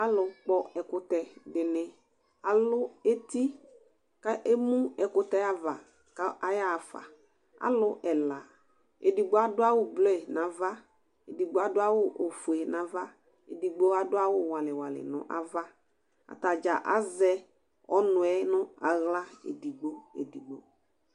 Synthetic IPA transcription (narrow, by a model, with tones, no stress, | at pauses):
a˦lʊ˨k͡pɔ˦ɛ˨kʊ˦tɛ˨dɪ˨nɪ˦ | a˨lʊ˦e˦ti˦ | ka˦ʔe˦mũ˦ɛ˨kʊ˦tɛ˦a˦va˨ | ka˦a˨ja˦˨fa̰˨ | a̰˦lʊ˦ʔɛ˨la˨ | ḛ˨di˨ɡ͡bo˦a˦dʊ˦a˦wʊ˦blɔ˦ɛ˨nã˨va˦ | e˨di˨ɡ͡bo˨˦a˨dʊ˦a˦wʊ˦ʔo˨fʊ˨ɛ˨nã˨va˦ | ḛ˨di˨ɡ͡bo˦a˦dʊ˦a˦wʊ˦˨wa˨lɪ˨wa˨lɪ̰˨nʊ̰˨ʔa̰˦va˦ | a̰˨ta˨d͡ʒa˨ʔa̰˦zɛ˦ | ɔ˦nʊ˨ɛ˦nʊ̃˦a˨ɣla˦ḛ˨di˨ɡ͡bo˦ḛ˨di˨ɡ͡bo̰˨